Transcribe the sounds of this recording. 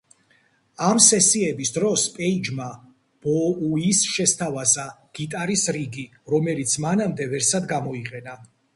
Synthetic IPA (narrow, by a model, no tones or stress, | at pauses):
amsɛsiɛbisd̪ɾɔspʼɛid͡ʒma | b̥ɔuisʃɛst̪ʰavazaɡ̥it̪ʼaɾisɾiɡi | ɾɔmɛlit̪sʰmanamd̪ɛvɛɾsad̪ɡamɔiqʼɛna